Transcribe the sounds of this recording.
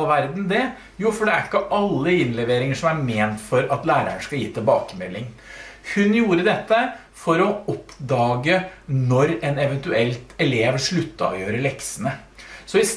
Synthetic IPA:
ʋæɾd̪n̩d̪ɛ | juːfɔɖɛæɾkːəʔɑlːəɪnlɛʋeːɾɪŋəʂɔmæɾmeːnt̪fɔɾɑt̪læːɾə̰ɳʂkɑljiːt̪ʰɪlbɑːkəmɛlːɪŋhʉnjuːɾəd̪ɛt̪ːə | fɔɾɔɔpːd̪ɑːɡənɔɾɛnɛʋɛnt̪ʉɛlt̪ɛleːʋəʂɭʉt̪ːɑ̰ɔ̰jøːɾəɭɛksənə | sɔɪs

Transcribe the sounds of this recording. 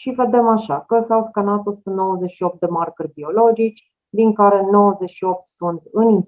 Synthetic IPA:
ʃive̞d̪e̞maʃakəsawskanat̪osu̥t̪əno̞wəze̞ʃio̞p̚t̪̚d̪e̞markərʲbio̞lo̞d͡ʒit͡ʃʲ | d̪iŋkaɾe̞no̞wəze̞ʃio̞p̚t̪sunt̪ɨnin

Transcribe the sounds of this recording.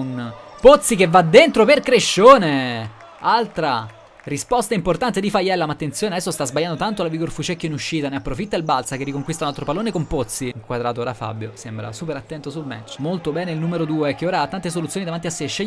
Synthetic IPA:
npot̪sːikevːad̪ːent̪ɾoperkɾeʃːoːne | alt̪ɾa | ɾispɔst̪aimport̪ant̪ed̪ifajɛlːamaːt̪ːent̪sjoːnead̪ɛsːost̪azbaʎːand̪ot̪ant̪olaviɡorfut͡ʃɛkːoinuʃːiːt̪aneapːɾofit̪ːailbalt̪sakerːikoŋkwist̪aunalt̪ɾopaloːnekompot̪siŋkwad̪ɾaːt̪oːɾafa̰bːjosembɾa̰suːpeɾat̪ːɛnt̪osulmɛ̰t͡ʃːmolt̪obɛːneilnuːmeɾod̪uːek̟ːeoːɾaat̪ːant̪es̬olut̪sjonid̪avant̪iasːeʃːeʎː

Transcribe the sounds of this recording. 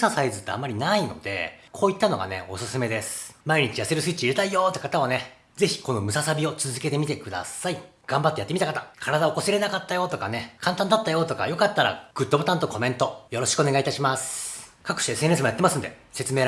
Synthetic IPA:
sasaizɨt̪ːe̞̰a̰mːaɾʲinaino̞̰d̪e̞̰kʰo̞ːit̪ːano̞ɡa̰ne̞̰o̞̰sɨsɨme̞d̪e̞sɨ̥maiɲ̟it͡ɕijaseɾɯ̟sɨit͡ɕiɾet̪aijo̞ːt̪ːekat̪aβane̞ | ze̞çi̥ko̞no̞mɯ̟sasabʲio̞t͡sɨzɨke̞t̪e̞mʲit̪e̞kɯ̟d̪a̰sai | ɡ̥ãmbat̪ːejat̪ːemʲit̪akat̪akʰaɾad̪aokosiɾe̞nakat̪ːajo̞t̪o̞kane̞kʰãnt̪ãnd̪at̪ːajo̞t̪o̞ka̰jo̞kat̪ːaɾa̰ɡ̥ɯ̟t̪ːobo̞t̪ãnt̪oko̞mẽ̞nt̪o̞jo̞ɾo̞ɕi̥kɯoneɡait̪aɕimasɨ̥kakɯ̟ɕesɨenesɨmojat̪ːemasɨnd̪e̞̰se̞t͡sɨme̞ːɾ

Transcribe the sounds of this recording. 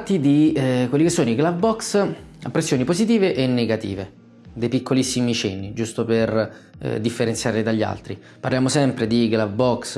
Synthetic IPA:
t̪ːid̪ikwelːikesːoːnoiɡlavbɔksa̰pːɾesːjoːnipozit̪iːveʔenːeɡat̪ḭːve | d̪ejpikʰːolisːimit͡ʃɛnːid͡ʒust̪oper̰ | d̪ifːeɾent̪sjaːɾlid̪aʎːa̰lt̪ɾi | parljaːmosɛmpɾed̪iɡlavbɔks

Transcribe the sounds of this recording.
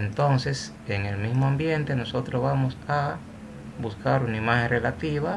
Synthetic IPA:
ent̪o̞nse̞s | eŋe̞lmismoambje̞nt̪eno̞so̞t̪ɾozβamosa | buskaɾunaimaxeŋrelat̪iβa

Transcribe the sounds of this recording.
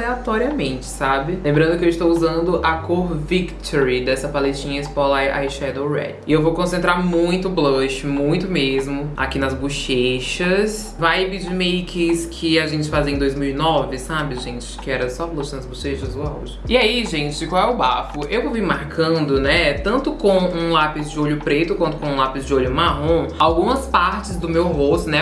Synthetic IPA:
aleat̪ɔɾiɐmẽnt͡ʃɪ̥sabɪlẽmbɾɐ̃nd̪ʊkɪewist̪owuzɐ̃nd̪ʊʔɐkoɾvikt̪ʰoɾɪd̪ɛsɐpaleʃt͡ʃĩɲɐɪspɔlaja̰jʃɛd̪owɾɛ̰dɪewvowkõsẽnt̪ɾaɾmũj̃t̪ʊbloʃɪmũj̃t̪ʊmezmʊa̰kinɐzbuʃeʃɐs | vajbɪd͡ʒimejkʰɪskʰɪaʒẽnt͡ʃɪfaziɐẽd̪ojzmiwinɔvɪsabɪʒẽt͡ʃɪ̥kɪɛɾɐsɔblɐ̃ʃɪnɐzbuʃeʃɐzoaṵʒɪɪaiʒẽt͡ʃɪkwawɛʊbafʊewvovimaɾkɐ̃nd̪ʊnɛt̪ɐ̃nt̪ʊkõũlapɪzd͡ʒɪoʎʊpɾet̪ʊkwɐ̃nt̪ʊkõũlapɪzd͡ʒɪoʎʊmaɦõawɡũmɐspaɾt͡ʃɪzd̪ʊmewɦost̪ʊnɛ

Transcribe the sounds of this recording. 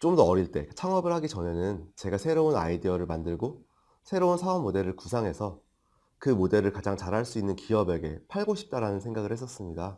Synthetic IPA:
t͡ɕ͈omdʌːɾiɭt͈e̞̰t͡ɕʰaŋʌbɯɭhaɡit͡ɕʌne̞nɯnt͡ɕe̞ɡasʰe̞ɾouna̰idiʌɾɯɭmandɯɭɡo | sʰe̞ɾounsʰaʌmːode̞ɾɯɭkusʰaŋɦe̞sʰʌ | kɯmode̞ɾɯɭkad͡ʑaŋt͡ɕaɾɦaɭs͈uinːɯnkiʌbe̞ɡe̞pʰaɭɡoɕʰi̥p̚t͈aɾanɯnsʰe̞ŋɡaɡɯɭhe̞s̬͈ʌs͈ɯmɲida

